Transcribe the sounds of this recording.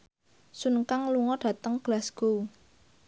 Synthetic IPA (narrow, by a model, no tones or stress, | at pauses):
sunkaŋluŋɔɖ̥ä̤t̪əŋɡ̥lasɡ̥o